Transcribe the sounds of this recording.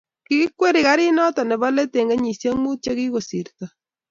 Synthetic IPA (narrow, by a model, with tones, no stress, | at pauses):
ki˦kwe˦ɾi˨ka˦ɾi˦nɔ˦tɔ˨nɛ˨ba˦le˦te˨ŋɡe˦ɲi˨sje˦mu˦t͡ʃe˦ki˦ko˨si˨ɾtɔ˨